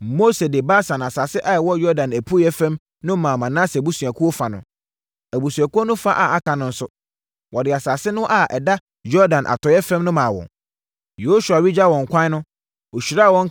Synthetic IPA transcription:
mo˦se˨dɪ˨ba˦sã˨n˨a˨saː˨sɪ˦ʔa˦˨wɔ˦jɔ˦dã˨næ˨pʰu˦ɛ˦fɛ̃˦m | nʊ̃˦mãː˨mã˨nã˦sbu˦su˨æ˨kʰu˦o˦fa˨nʊ̰̃˨ | æ˨bu˨su˨æ˨ku˦o˦nʊ̃˦fa˦ʔa˨a˦kʰa˨nʊ̃˦n̩˦sʊ˦ | wɔ˨dɪ˨a˨saː˨sɪ˦nʊ̃˦ʔa˨ʔɛ˨da˦ | jɔ˦dã˨nʔa̰˨tʰɔ˨jɛ˦fɛ̃˦mnʊ̃˦mãː˨wɔ̰̃˨ | je˨o˦su˨a˨ɥi˦d͡ʑa˦wɔ̃˨ŋ̩˨kʷʰã˦n˦nʊ̃˦ | o˨ɕᶣi˨ɾa˦˨wɔ̃˦ŋ˦

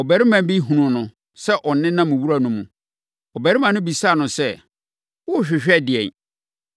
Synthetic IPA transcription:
ɔ˨bɛ˨ɾɪ˦mã˨m˦bi˦ɦũ˨nʊ̃˨nʊ̃˨ | sɛ˦ʔɔ˨nɪ̃˦nã˦mʊ̃˨wu˦ɾa˦nʊ̃˨mũ˨ | ɔ˨bɛ˨ɾɪ˦mã˨nʊ̃˦bi˨sa˦˨nʊ̃˨sɛ˦ | wʊ˦˨ɕᶣɪ˨ɕᶣɛ˦dɪ˨ɛ̰˨n

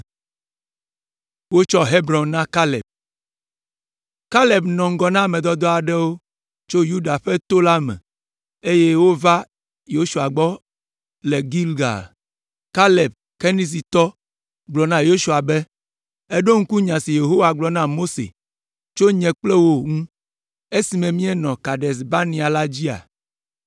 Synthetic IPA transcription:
wo˦t͡ʃɔ˦ɦe˦bɾɔ̃˨nnã˦ka˦lɛ̰˨b̚ | ka˦le˨bnɔ̃˨ŋ̩˦ɡɔ˨nã˦˨mɛ̃˨d̪ɔ˦d̪ɔ˦a˨ɖɛ˦wo˦ | t͡ʃo˦ju˦ɖa˨ɸɛ˦t̪o˦la˦mɛ̰̃˨ | e˦jɛ˦wo˦va˦ | jo˦ʃu˨a˨ɡ͡bɔ˦ | le˨ɡi˦lɡa̰˨l | ka˦le˨b̚ | ke˦nĩ˦s̬i˨t̪ɔ˦ | ɡ͡blɔ˨nã˦jo˦ʃu˨a˨bɛ˦ | ɛ˦ɖo˦ŋ̩˦ku˦ɲã˨si˨je˨ɦo˦wa˨ɡ͡blɔ˨nã˦mo˦sḛ˨ | t͡ʃo˦ɲɛ̃˨k͡plɛ˦wo˦ŋũ˦ | e˦si˨mɛ̃˨mĩ˦ɛ˦nɔ̃˨ka˨ɖɛ˨s̬ba˦nĩ˨a˨la˦d͡ʑi˦a̰˨

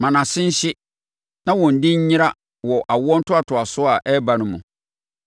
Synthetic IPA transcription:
mã˨nã˨sɪ̃˦n̩˦ɕɪ˦ | nã˦wɔ̃˨n̩˨dɪ˦ɲ̩˦ɲɪ̃˦ɾa˦ | wɔ˨ʔa˨wɔ˦n̩˦tʊ˦a˨tʰʊ˨a˨sʊ˦a˨ʔɛ˦ba˨nʊ̃˦mṵ̃˨

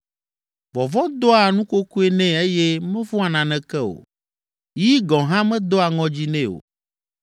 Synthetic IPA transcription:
vɔ˨vɔ˦d̪ɔ˦a˨nũ˦ko˦ku˦e˦nɛ̃˦e˦jɛ˦mɛ̃˦vɔ˦a˨nã˨nɛ̃˨kɛ˦o̰˨ | ji˦ɡɔ̃˨ɦã˦mɛ̃˦d̪o˦a˨ŋɔ̃˦d͡ʑi˦nɛ̃˦o̰˨

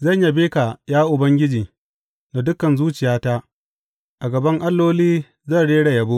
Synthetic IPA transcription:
zɐ˦˨ɲja˦beː˦ka˨jaː˦ʔʊ˨bɐ˦ŋɡʲɪ˦d͡ʒiː˨ | na˨dʊ˦kɐ˨nzuː˦t͡ʃɪ˨jaː˦ta˦ʔ | ʔa˨ɡɐ˨bɐ˦ŋʔa˦lːoː˦liː˦ | zɐ˦˨ɽeː˦ɽa˨jɐ˨bo˦

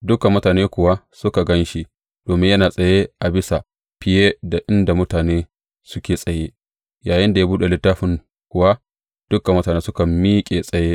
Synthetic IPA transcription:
dʊ˦kɐ˨mːʊ˦taː˨neː˦kʷʊ˨wa˦ | sʊ˦ka˨ɡɐ˦nʃi˦ | d̥oː˨mɪ˦jɐ˦naː˨sʼɐ˨je˦ʔa˨bɪ˦sa˨ | ɸɪ˨jeː˦da˨ʔɪ˦nda˨mʊ˦taː˨neː˦ | sʊ˦kʲeː˨sʼɐ˨jeː˦ | jaː˨jɪ˦nda˨jaː˦buː˦ɗe˨lɪ˦tːaː˦ɸɪ˦ŋ | kʷʊ˨wa˦ | d̥ʊ˦ka˨mʊ˦taː˨neː˦sʊ˦kɐ˨mːiː˦kʲʼe˨sʼɐ˨je˦

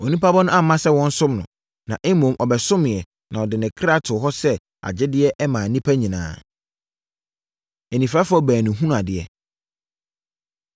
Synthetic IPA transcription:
ɔ˨nĩ˦pʰa˦bɔ˦nʊ̃˦a˦˨mã˦sɛ˦wɔ̃˦n̩˦sʊ̃˦mnʊ̃˨ | nã˨ʔe˦mõ˨mʔɔ˨bɛ˨sʊ̃˦mɪ̃˨ɛ˨ | nʔã˨ɔ˨dɪ˨nɪ̃˨kʰɾa˦˨tʰʊ˨ɦɔ˦sɛ˦ | a̰˨d͡ʑɪ˦dɪ˦ɛ˦ʔɛ˦mãː˨nĩ˦pʰæ˦ɲĩ˨nã̰ː˨ | e˨nĩ˨fɾa˦fʊ˦ɔ˦bæː˨nĩ˨ɦũ˦n˦a˨dɪ˨ɛ̰˨

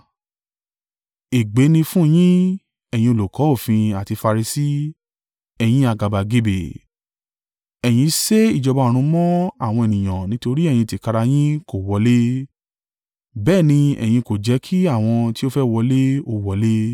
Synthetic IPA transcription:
e˨ɡ͡be˨˦nĩ˧fũ˦˧j̃ĩ˦ | ɛ˨j̃ĩ˧o˨lo˨kɔ˨˦o˦˨fĩ˧a˨ti˧fa˧ɾi˧si˦ | ɛ˧j̃ĩ˦a˧ɡa˧ba˨ɡe˦be˨ | ɛ˨j̃ĩ˧se˦i˦˨d͡ʒɔ˧bã˧˨ɾ̃ũ˧mɔ̃˦a˦˨w̃ɔ̃˧ɛ˨nĩ˨j̃ã˨nĩ˦to˧ɾi˦ɛ˦˨j̃ĩ˧ti˨ka˧ɾa˧j̃ĩ˦ko˨wɔ˨˦le˦ | bɛː˦˨nĩ˧ɛ̰˨j̃ĩ˧ko˨d͡ʒɛ˨˦kʰi˦a˦˨w̃ɔ̃˧ti˦o˦fɛ˦wɔ˧le˦o˧wɔ˨˦le˦

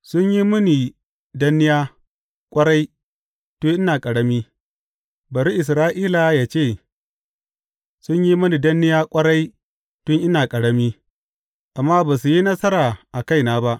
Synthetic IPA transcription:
sʊ˦ɲji˦mʊ˦ni˨ | dɐ˦nːɪ˦jaː˦ | kʷʼɐ˦ɽa˦j | to˦ʔɪ˦naː˨kʼɐ˨ɽɐ˦miː˦ | bɐ˨ɾi˦ʔɪ˨s̬ɾaː˦ʔiː˦la˨˦jaː˨t͡ʃeː˦˨ | sʊ˦ɲji˦mɐ˦ni˨dɐ˦nːɪ˦jaː˦kʷʼɐ˦ɽa˦j | tʊ˦ŋʔɪ˦naː˨kʼɐ˨ɽɐ˦miː˦ | ʔa˨mːaː˦baː˨su˨ji˦nɐ˦sɐ˦ɾaː˨ʔa˨ka˦˨jnaː˦ba˦ʔ

